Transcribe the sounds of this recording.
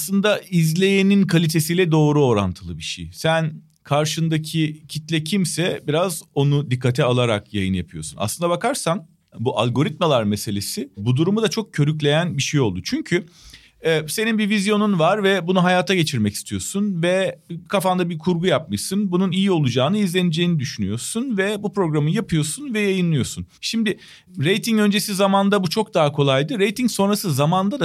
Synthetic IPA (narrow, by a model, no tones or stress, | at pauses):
aslˠɯnd̪aizlʲe̞jeninkʰalʲit̪ʰe̞sijlʲɛd̪o̞ːɾuo̞ɾa̰nt̪ʰɯlˠɯbiʃḛjsæn | kʰaɾʃɯnd̪acʰicʰit̪lʲɛcʰimsɛbiɾazo̞nud̪ikʰːat̪ʰɛalˠaɾa̰kjajɯnjapʰɯjo̞suna̰slɯnd̪abakʰaɾsan | buʔa̰lʲɡo̞ɾit̪̚malˠaɾmese̞lʲe̞sɪbud̪uɾumud̪at͡ʃʰo̞k̚cʰø̞ɾyclʲe̞jænbiʃejo̞lˠd̪ut͡ʃʰyɲcʰy | se̞ninbivizjo̞nunvaɾvɛbunuɦajaːt̪ʰaɟe̞t͡ʃʰiɾmɛci̥st̪ʰijo̞sunvɛkʰafand̪abiɾkʰuɾɡujap̚mɯʃsɯnbununijio̞lˠud͡ʒaːnɯizlʲenid͡ʒe̞jinid̪yʃyny̰jo̞sunvɛbupɾo̞ɡɾamɯjapʰɯjo̞sunvɛjajɯnlˠɯjo̞sunʃimd̪ɪ | ɾe̞jt̪ʰiŋø̞nd͡ʒesizamand̪abut͡ʃʰo̞k̚d̪aɦakʰo̞lˠajd̪ɯɾe̞jt̪ʰiŋso̞nɾasɯzamand̪ad̪a